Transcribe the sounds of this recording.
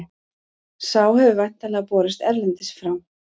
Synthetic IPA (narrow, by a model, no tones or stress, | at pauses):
saːwhɛvʏvajn̥t̪alɛapɔːɾɪst̪ɛɾlɛnt̪ɪsfɾawm